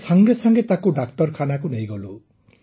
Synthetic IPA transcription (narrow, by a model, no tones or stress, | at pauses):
saŋɡesaŋɡet̪akuɖak̚ʈɔɾkʰanakunejɡɔlu